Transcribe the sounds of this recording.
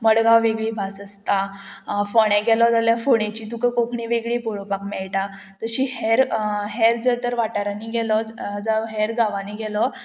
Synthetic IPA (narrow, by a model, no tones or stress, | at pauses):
məɽɡawʋeɡɭiːbʱasəst̪afɔɽɛ̃ɡʱɛlɔd͡zaljafoɳẽt͡ɕiːt̪ukəkokʰɳĩʋeɡɭiːpoɭopakmɛɭʈa | t̪əɕiːhɛɾɦeɾd͡zət̪əɾʋaʈaɾaniːɡʱɛlɔd͡zd͡zaɦɛɾɡaʋaniɡʱɛlɔ